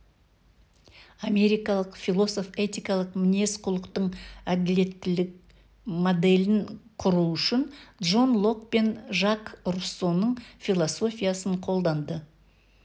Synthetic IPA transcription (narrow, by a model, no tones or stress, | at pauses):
ame̞ɾijkɑlˠəqfilˠo̞so̞fe̞t̪ʲijkɑlˠəqmɪne̞sqʰʊlˠəqt̪əɴæd̪ɪle̞t̪ːɪlɪk̚ | mod̪e̞lɪnqʰʊɾuʏʃɪnd̪ʒo̞nlˠo̞kpe̞nʒakruso̞nəɴfʲilˠoso̞fʲijasəɴqʰo̞lˠd̪ɑnd̪ə